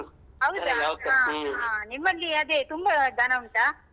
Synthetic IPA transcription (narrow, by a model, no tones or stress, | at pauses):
ɦɐwd̪saɦãːɦãːnimːɐlːiɐd̪et̪umbɐd̪ʱɐnɐuɳʈ̪a